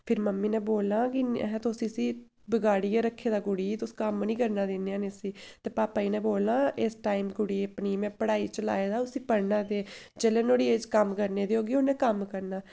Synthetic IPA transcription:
pʰɪɾməmːiːnɛ̃ːboːlãːkiɦɛ̃ːt̪osĩːsiː | bəɡaːɽiːaːɾəkʰːeːd̪aːɡʊɽiːt̪oskəmnĩːkəɾnaːd̪eːnːeːaːneːsiːt̪eːpaːpaːiːnɛ̃ːboːlãːʔeːsʈaːiːmɡʊɽiːəpniːmɛ̃ːpəɽaːiːt͡ʃəla̰ːeːd̪aːʊsĩːpəɾnaːd̪eː | d͡ʒeːleːnoːɽiːed͡ʒkəmkəɾneːd̪eːɦoːɡeːʊnɛ̃ːkəmkəɾnaː

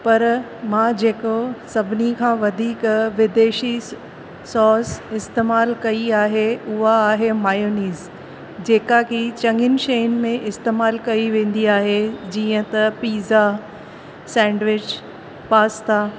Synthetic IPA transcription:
pɐɾ | mãːd͡ʑeːkosɐbʱɪnikʰãːʋɐd̪ʱiːkʋɪd̪eːʃi | sɔːsɪst̪eːmaːlkɐiaːɦeʊɦaːɦemaːjoːniːz | d͡ʑeːkakit͡ɕɐ̃ŋɡɪnʃenmẽʔɪst̪eːmaːlkɐiʋẽːn̆d̪iaːɦed͡ʑiːə̃t̪ɐpiːza | sɛ̃ːɳɖʋɪd͡ʑ | paːst̪aː

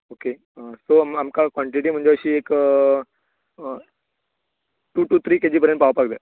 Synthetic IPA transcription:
oːke | soməmkakʋɔ̃ɳʈiʈim̤ʊ̃ɦnɲd͡ʑeəɕieːk | ʈuːʈuːt̪ʰɾiːked͡ʑipəɾẽɳʈpaːʋpak̚d̪e

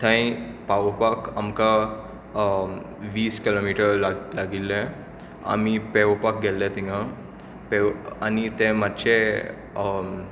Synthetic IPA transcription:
t̪ʰãĩpaʋpakamka | ʋiːskilomiʈəɾlaɡilːẽ | a̰mipɛʋpak̚ɡʱɛlɛt̪iŋɡã | peanit̪ẽmat̪ːɕe

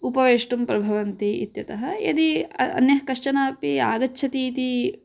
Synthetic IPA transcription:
upɐʋeːʂʈumpɾɐbʱɐʋɐnt̪ḭːt̪jɐt̪ɐɦɐɐ̰d̪iɐ̰njɐɦɐkɐʂt͡ʃɐnaːpia̰ːɡɐt͡ʃːʰɐt̪iːt̪i

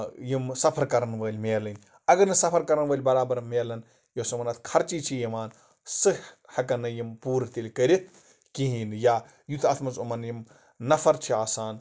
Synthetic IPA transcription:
jimsɐpʰɐɾkɐɾɐnʋəːlʲmeːlɐnʲ | ɐɡɐɾnɨsɐpʰɐɾkɐɾɐnʋɐːlʲbɐɾaːbɐɾmeːlɐn | josɐmɐnɐt̪ʰkʰɐɾt͡ʃit͡ʃʰijɐmaːn | sɨhhɐkɐnɐjimpuːɾt̪ilʲkəɾit̪̚ʰ | kiɦiːnja | jut̪ʰɐt̪ʰmɐzumɐnjim | nɐfɐɾt͡ʃʰiaːsaːn

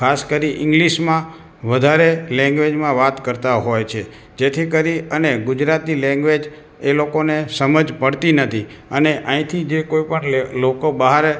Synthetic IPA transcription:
kʰaskəɾiʔɪ̃ŋɡliʃmã | ʋəd̪ʱaɾelɛ̃ŋɡʋed͡ʒmãʋat̪kəɾt̪aɦojt͡ʃʰe | d͡ʒet̪ʰikəɾiəneɡʊd͡ʒɾat̪nilɛ̃ŋɡʋed͡ʒ | elokonesəməd͡ʒpəɽt̪inət̪ʰi | əneʔãĩt̪ʰid͡ʒekoipəɳlokobəɦaɾe

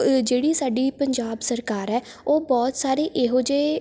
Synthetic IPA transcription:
d͡ʒeːɽiːsaːɖiːpəɲd͡ʒaːbsəɾkaːɾɛː | oːbɔːt̪saːɾeːʔeːɦoːd͡ʒeː

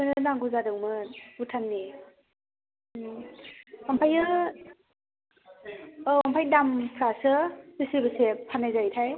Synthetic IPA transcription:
ɯnɯnaŋɡuzadɯwmɯnbutʰanːi | ampʰajɯ | ampʰajdampʰɾasɯdisibɯsepʰanːajzajtʰaj

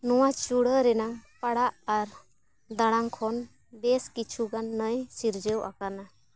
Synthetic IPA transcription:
nɔwat͡ʃuɽəɾɛnaŋpaɽaʔaɾ | d̪aɽaŋkʰɔn | bɛskit͡ʃʰuɡanːəjsiɾd͡ʒəwʔa̰kana

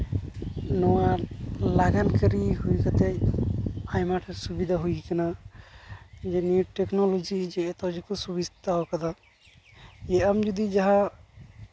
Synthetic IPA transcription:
nɔwalaɡankəɾiɦujkat̪e | ajmaʈʰesubid̪ʱaɦujkana | d͡ʒeniuʈeknolod͡ʒid͡ʒeːt̪ɔwd͡ʒikusubist̪aɦɔkad̪a | jeamd͡ʒud̪id͡ʒaɦa

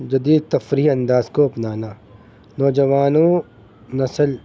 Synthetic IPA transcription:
d͡ʒɐd̪iːd̪̚t̪ɐfɾiːɦɐ̃nd̪aːzkoɐpnaːnaː | nɔːd͡ʒɐʋaːnõː | nɐsəl

